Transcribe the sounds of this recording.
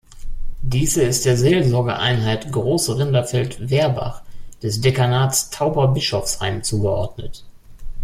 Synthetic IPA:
d̥iːzəɪst̚d̥eːɐzeːlzɔɐɡə̰ʔa̰ɪnɦaɪtɡʁoːsʁɪndɐfɛltveːɐba̰χd̥ɛsd̥ekanaːtstʰaʊbɐbɪʃɔfsha̰ɪmt͡suːɡəʔɔ̰ɐdnət

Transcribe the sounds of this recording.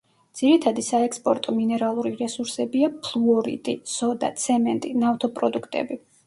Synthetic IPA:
dd̪z̥iɾit̪ʰad̪isaɛkspʼɔɾt̪ʼɔminɛɾalˠuɾiɾɛsuɾsɛbiapʰlˠuɔɾḭt̪ʼisɔd̪a̰t̪sʰɛmɛnt̪ʼinaft̪ʰɔpʼɾɔd̪ukʰt̪ʼɛ̰bi

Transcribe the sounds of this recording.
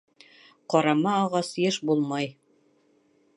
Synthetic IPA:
qɒɾɑmɑːʁɑsjɘʃbulˠmɑj

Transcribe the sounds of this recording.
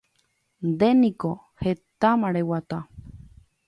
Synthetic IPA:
nd̪enĩko | het̪amãɾewat̪a

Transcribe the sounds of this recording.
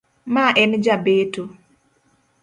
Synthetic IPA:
maʔɛnd͡ʒabeto

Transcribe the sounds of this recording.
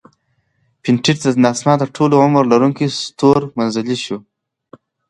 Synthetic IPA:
piɳʈʰiʈt̪ənɑsnɑt̪əɾʈʰoloʕʊmɾlaɾuŋkist̪oɾmanzəliʃu

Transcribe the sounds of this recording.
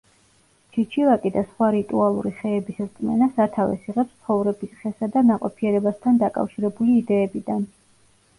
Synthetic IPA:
t͡ʃʰit͡ʃʰivakʼid̪asχwaɾit̪ʼualˠṵɾiχɛːbisɾt̪ʼmɛnasat̪ʰavɛ̰siʁɛpst̪sʰχɔvɾɛbisχɛsad̪anaqʼɔpʰiɛɾɛbast̪ʰand̪akʼa̰fʃiɾɛbuliːd̪ɛːbid̪an

